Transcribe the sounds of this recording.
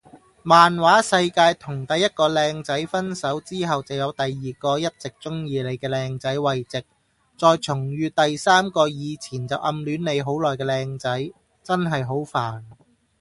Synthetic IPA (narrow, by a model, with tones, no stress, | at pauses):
maː˨nwaː˨˥sɐ˧jkaː˧jt̪ʰʊ˨˩ŋt̪ɐ˨jːɐ˥t̚kɔː˧lɛː˧ŋt͡sɐ˨˥jfɐ˥nsɐ˨˥wt͡siː˥ɦɐ˨wt͡sɐ˨˩wjɐ˨˧wt̪ɐ˨jːiː˨kɔː˧jɐ˥t̚t͡sɪ˨k̚t͡sʊ˥ŋjiː˧le˨˧jkɛː˧lɛː˧ŋt͡sɐ˨˥jwɐ˨jt͡sɪ˨k̚ | t͡sɔː˨˧jt͡sʰʊ˨˩ŋjyː˧t̪ɐ˨jsaː˥mkɔː˧jiː˨˧t͡sʰiː˨˩nt͡sɐ˨wʔɐ̰˧mlyː˨˥nne˨˧jɦo˨˥wlɔː˨˩jkɛː˧lɛː˧ŋt͡sɐ˨˥j | t͡sɐ˥nɦɐ˨jɦo˨˥wfaː˨˩n